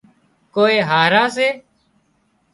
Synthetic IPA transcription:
koːeːɦaːɾãːs̬eː

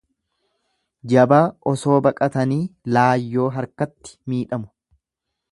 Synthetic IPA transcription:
d͡ʒɐbaːʔɔso̞ːbɐkʼɐt̪ɐniːlaːjːo̞ːɦɐɾkɐt̪ːɪ̥miːᶑɐmʊ̥

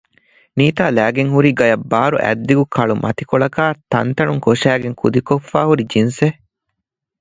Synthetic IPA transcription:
niːt̪aːlæːɡeŋɦuɾiɡɐjɐbːaːɾṵʔæ̰d̪ːiɡukʰɐɭumʔɐ̰t̪ikoɭɐkaːt̪ɐnt̪ɐɳuŋkoʃæːɡeŋkʰud̪ikofːaːhuɾid͡ʒinse

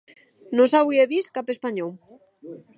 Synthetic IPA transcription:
nosawieβiskapespaɲow

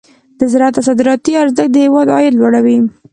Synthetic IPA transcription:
d̪̥əzɾɑt̪asɑd̪ɪɾɑt̪iaɾzək̚d̪əhɪwɑd̪ɑ̰jɪd̪lwaɽawi

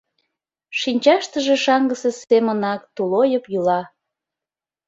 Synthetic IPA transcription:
ʃinʲt͡ɕɑʃt̪əʒeʃɑŋɡəsesemənɑkt̪ulojəpjulɑ

